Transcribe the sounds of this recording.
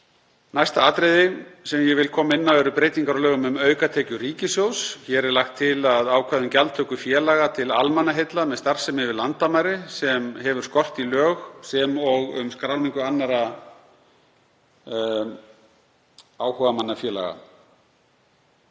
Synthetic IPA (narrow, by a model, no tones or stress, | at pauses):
najst̪aaːt̪ɾejðɪsɛmjɛvɪlkʰɔːmaɪnːavɛɾʏpɾejt̪iŋkaɾalœːɣʏmʏmœːɥkat̪ʰɛːcʏɾiːcɪsjowsçɛɾɛɾlaxt̪ʰːɪlaðaːwkʰvaðʏmcalt̪ʰœhkʏfjɛːlaɣat̪ʰɪla̰lmanaɦejt̪lamɛðst̪aɾ̥sɛmɪvɪðlant̪amaɾɪsɛmɦɛvʏɾ̥skɔr̥t̪ilœːɣsɛmɔɣʏ̰mskɾawniŋkʏanːaɾa | aːwhɔvamanːafjɛːla̰ɣa̰